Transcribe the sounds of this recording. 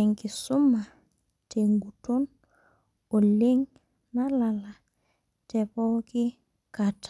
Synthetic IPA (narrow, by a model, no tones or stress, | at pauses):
ɛŋkisuma | teŋɡuton | oleŋ | nalala | tɛpɔki | kat